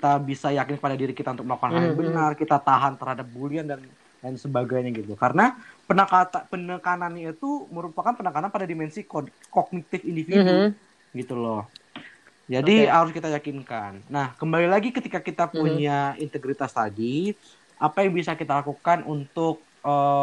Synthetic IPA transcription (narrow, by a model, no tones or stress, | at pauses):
kit̪abisajakɪnkə̥padadiɾikit̪aunt̪ʊk̚məlakanaɲbənarkit̪at̪aɦant̪əɾhadap̚buliandan | dansəbaɡajɲaɡit̪ukaɾənapənakat̪apənəkananɲait̪uməɾupakanpənakananpadadimɛnsik | kɔɡ̚nit̪ɪfindifidu | ɡit̪ulɔh | d͡ʒadiɦaɾʊskit̪ajakinkanːahkəmbalilaɡikət̪ikakit̪apuɲaint̪əɡɾit̪ast̪adi | ʔapajaŋbisakit̪alakukanunt̪ʊk̚ | ə